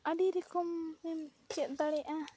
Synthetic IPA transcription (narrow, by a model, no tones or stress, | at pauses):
aɖiɾɛkɔmːɛm | t͡ʃɛt̪̚d̪aɽɛʔa